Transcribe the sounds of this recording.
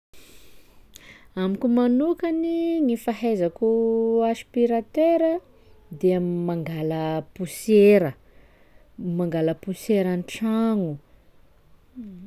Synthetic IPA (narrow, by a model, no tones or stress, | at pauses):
amikumanukaniŋifaɦezakuaspiɾat̪eɾə | d̪eamimaŋɡaləpuseɾə | maŋɡaləpuseɾanʈ͡ʂaŋu